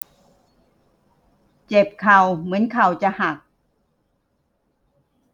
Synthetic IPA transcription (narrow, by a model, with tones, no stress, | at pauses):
t͡ɕe˨˩p̚kʰa˨˩wmɯ˩˦ənkʰa˨˩wt͡ɕa˧˨ha˨˩k̚